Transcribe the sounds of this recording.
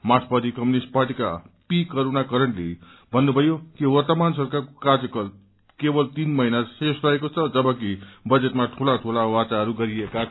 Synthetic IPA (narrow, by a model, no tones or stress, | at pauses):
maspʌd̪ikʌmunisʈ̚parʈika̰pikʌɾunakʌɾʌɳlḛ | bʱʌnːubʱʌjokiwʌrt̪ʌmansʌrkakokard͡zʌkʌl | kebʌlt̪inmʌinasesrʌɦekot͡sʰʌd͡zʌbʌkibʌd͡zet̪maʈʰulaʈʰulawat͡saɦʌɾuɡʌɾieka